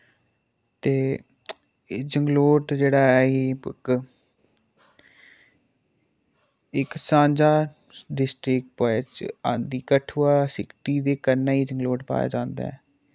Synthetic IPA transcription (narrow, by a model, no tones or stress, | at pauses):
t̪eː | d͡ʒəŋɡloːʈd͡ʒeːɽaːɛːɦeːk | ɪksãːnd͡ʒaː | ɖɪsʈɾɪk̚poɛt͡ʃãːnd̪iːkəʈʰʊːaːsɪkʈiːd̪eːkəɾnːaːiːd͡ʒəŋɡloːʈpa̰ːja̰ːd͡ʒãːnd̪a̰ːɛː